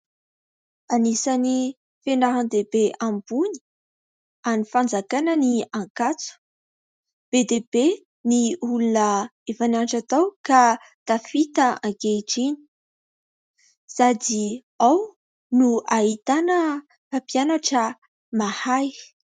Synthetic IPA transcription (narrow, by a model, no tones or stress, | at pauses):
anisani | fenaɦand̪ebeʔambuni̥ | anifand͡zakanəniaŋkat͡su̥ | b̥ed̪ebe | niulunəefananʈ͡ʂat̪awka | t̪afit̪əaŋkeiʈ͡ʂini̥ | sad̪i | aw | nuaɦit̪anə | apianaʈ͡ʂə | mahaj